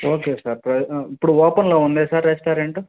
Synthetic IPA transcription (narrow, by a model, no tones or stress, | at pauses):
oːkeːsaːɾpɾɐipːuɽuɔːpɐnloːund̪esaːɾːespaːɾeɳʈu